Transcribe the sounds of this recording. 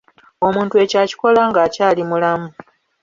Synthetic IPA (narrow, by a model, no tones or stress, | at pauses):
o̞muːntue̞caːci̥ko̞laŋɡaːcaːlimulamu